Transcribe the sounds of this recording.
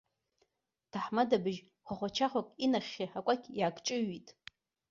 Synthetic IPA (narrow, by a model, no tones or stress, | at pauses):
tʰaħmadabɨʒ | χʷaχʷat͡ʃʰaχʷakʼinaχʲiħakʷʼakʲʰʼjaːkʼt͡ʃʼɨɥitʼ